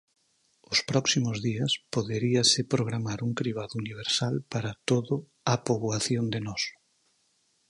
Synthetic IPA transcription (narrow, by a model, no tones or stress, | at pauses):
ʊspɾɔksimʊzðiɐspoðeɾiɐsɪpɾoɣɾamaɾuŋkɾiβ̞aðʊuniβ̞eɾsalpaɾɐt̪oðʊ | apoβwaθjond̪enɔs